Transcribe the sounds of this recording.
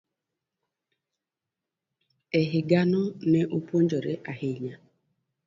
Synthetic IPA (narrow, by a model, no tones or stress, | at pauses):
eɦɪɡanʊneʔupuond͡ʒɔɾeʔahɪɲa